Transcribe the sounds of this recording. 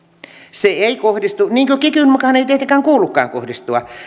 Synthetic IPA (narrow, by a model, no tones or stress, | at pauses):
seeikohdist̪uniːŋkøkikynmukɑhɑneit̪iet̪eŋkæːŋkuːlːukːɑ̰ːŋko̰hdist̪uɑ̰